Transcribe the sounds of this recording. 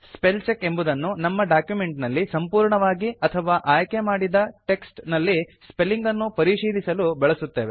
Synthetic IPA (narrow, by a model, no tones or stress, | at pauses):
spelt͡ʃekːe̞mbud̪ɐnːunɐmːɐɖaːkjume̞ɳʈnɐlːisɐmpuːɾɳɐʋaːɡiɐt̪ʰɐʋaːʔaːjkemaːɽid̪ɐʈe̞ksʈnɐlːispelːiŋɡɐnːupɐɾiʂiːd̪isɐlubɛɭɐsut̪ːe̞ːʋe